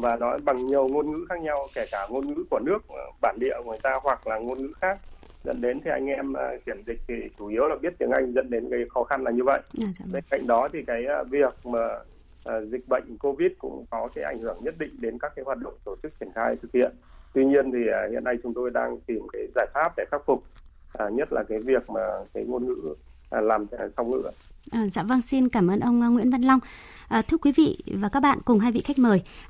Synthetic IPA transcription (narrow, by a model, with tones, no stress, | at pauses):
vaː˨˩nɔ˨˦jɓa˨˩ŋɲi˨˩əwŋo˧nŋɨ̰˧˥xaː˦˥k̚ɲa˧wkɛ˧˩kaː˧˩ŋo˧nŋɨ̰˧˥ku˧˩ənɨ˦˥ək̚ːɓaː˧˩nɗḭ˧˨əŋ˨˩əjt̪aː˧hwa˨˩k̚laː˨˩ŋo˧nŋɨ̰˧˥xaː˦˥k̚ | zə̰˧˥nɗe˨˦nt̪ʰi˨˩ʔa˧jŋ̟ʔɛ˧mʔə˧˩ki˧˩əmzï˨˩k̟̚t̪ʰi˨˩t͡ɕu˧˩ʔi˨˦əwlaː˨˩ɓi˦˥ət̚t̪ɨ˨˧əŋʔa˧jŋ̟zə̰˧˥nɗe˨˦nɣə˧jxɔ˨˦xa˧nlaː˨˩ɲɨ˧və̰˧˨jʔɓe˧nka̰˧˨jŋ̟ɗɔ˨˦t̪ʰi˨˩kaː˨˦jʔːvi˨˩ək̚maː˨˩ | ʔːzï˨˩k̟̚ɓə̰˧˨jŋ̟ko˧vi˦˥t̚kʊ̰˧˥ŋ͡mkɔ˨˦kaː˨˦jʔa˧˩jŋ̟hɨ˧˩əŋɲə˦˥t̚ɗḭ̈˧˨ŋ̟ɗe˨˦nkaː˦˥k̚ːaː˨˦jɦwaː˨˩t̚ɗə̰˧˨wŋ͡mt̪o˧˩t͡ɕɨ˦˥k̚t͡ɕi˧˩ənxaː˧jt̪ʰɨ˨˩k̚hḭ˧˨ənt̪wi˧ɲi˧ənt̪ʰi˨˩˨hḭ˧˨ənːa˧jt͡ɕʊ˨˦ŋ͡mt̪o˧jɗa̰ː˧ŋt̪i˨˩mkaː˨˦jzaː˧˩jfaː˦˥p̚ɗe˧˩xaː˦˥k̚fʊ˨˩k͡p̚ | ʔːɲə˦˥t̚laː˨˩kaː˨˦jvi˨˩ək̚maː˨˩kaː˨˦jŋo˧nŋɨ̰˧˥ʔlaː˨˩m˧˨˩sa˧wŋ͡mŋɨ̰˧˥əʔəː˨˩za̰ː˧˥və˧ŋsi˧nkaː˧˩mʔəː˧nʔə˧wŋ͡mŋwḭ˧˥ənva̰˧˨nla˧wŋ͡mʔəː˨˩t̪ʰɨ˧əkwi˨˦vḭ˧˨vaː˨˩kaː˦˥k̚ɓa̰ː˧˨nkʊ˨˩ŋ͡mɦaː˧jvḭ˧˨xa˦˥k̟̚məː˨˩j